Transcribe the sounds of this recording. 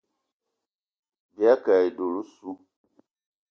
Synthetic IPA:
bja˦ka˨i˨do˨lu˦su˦

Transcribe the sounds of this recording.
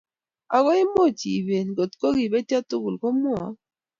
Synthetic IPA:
a˨ɡɔ˦ɪ˦mo˦˨t͡ʃḭ˨be˨nɡo˨t̪ko˦ɡi˨be˦tja˦tʊ˦ɡu˨lko˦mwɔ˨˦

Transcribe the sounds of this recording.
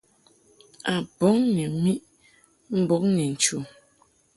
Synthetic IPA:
a˨bɔ˨˦ŋni˨mi˦ʔ | m̩˦bɔ˨˦kni˨n̩˨t͡ʃu˨

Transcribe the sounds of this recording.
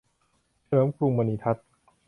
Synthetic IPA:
t͡ɕʰɾɤː˩˦mkʰɾu˧mːa˧niː˧t̪ʰa˦˥t̪̚

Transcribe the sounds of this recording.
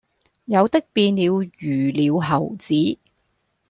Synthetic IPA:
jɐ˨˧wt̪ɪ˥k̚piː˧nliː˨˧wjyː˨˩liː˨˧wɦɐ˨˩wt͡siː˨˥

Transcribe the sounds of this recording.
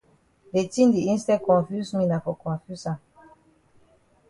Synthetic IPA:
de˨tĩ˦ndi˨ĩ˦nstɛ˦kɔ̃˨nfy˦smĩ˦na˨fɔ˨kɔ̃˨fu˦sã˨

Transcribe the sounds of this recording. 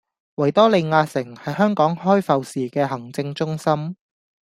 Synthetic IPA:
wɐ˨˩jt̪ɔː˥le˨˧jŋaː˧sɪ˨˩ŋhɐ˨jhœː˥ŋkɔː˨˥ŋhɔː˥jfɐ˨wsiː˨kɛː˧ɦɐ˨˩ŋt͡sɪ˧ŋt͡sʊ˥ŋsɐ˥m

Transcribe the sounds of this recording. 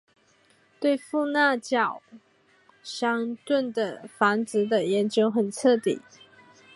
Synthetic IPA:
t̪we˥˧ɪfu˥˧na˥˧t͡ɕjɑ˨˩ʊ | ɕjɑ˥ŋt̪wə˥˩nd̪ə˩fa˧˥nt͡sɹ̩˧˥d̪ə˨jɛ˧˥nt͡ɕjo˥ʊxə˨˩nt͡sʰɤ˥˩t̪ḭ˨˩˦

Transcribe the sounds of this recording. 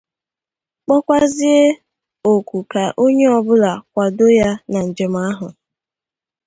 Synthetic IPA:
k͡pɔ˦kʷa˦zi˦e˦ | o˨kʷu˨ka˨ʔo˦ɲe˦ɔ˨bʊ˦la˨kʷa˨do˦ja˦na˨n̩˨d͡ʒe˨m̩˦a˦ɦʊ˨

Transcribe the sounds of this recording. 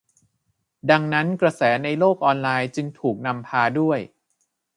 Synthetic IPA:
da˧ŋna˦˥nkɾa˧sɛː˩˦na˧jloː˥˩k̚ʔɔː˧nlaː˧jt͡ɕɯ˧ŋt̪ʰuː˨˩k̚na˧mpʰaː˧du˥˩əj

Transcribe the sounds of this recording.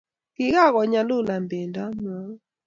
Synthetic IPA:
kɪ˦ɣa˦˨ɣɔ˨ɲa˨lʊ˦˨la˨mbɛ˨nda˦ma˦ŋ

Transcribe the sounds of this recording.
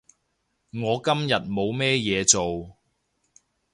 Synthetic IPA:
ŋɔː˨˧kɐ˥mjɐ˨t̚mo˨˧wmɛː˥jɛː˨˧t͡so˨w

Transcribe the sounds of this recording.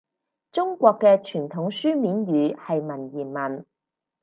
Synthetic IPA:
t͡sʊ˥ŋkʷɔː˧kːɛː˧t͡ʃʰyː˨˩nt̪ʰʊ˨˥ŋsyː˥miː˨˥nɥyː˨˧hɐ˨jmɐ˨˩njiː˨˩nmɐ˨˩n

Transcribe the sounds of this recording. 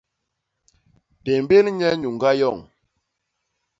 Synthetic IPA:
te˨mbe˦lɲɛ˦ɲu˨ŋɡa˦jɔ˦˨ŋ

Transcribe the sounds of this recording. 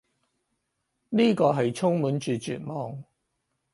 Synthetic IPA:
niː˥kɔː˧ɦɐ˨jt͡sʰʊ˥ŋmuː˨˥nt͡ʃyː˨t͡ʃy̰ː˨t̚mɔː˨ŋ

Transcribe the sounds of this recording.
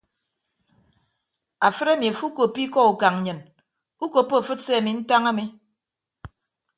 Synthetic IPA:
a˨fɨ˦ɾa˦˨mi˨a˨fu˦ko˨pi˦kɔ˦u˨ka˨ŋ˨ɲɨ˨n | u˦ko˨pːo˦˨fɨ˦se˦a˨mi˨n̩˦ta˦ŋa˦mi˦

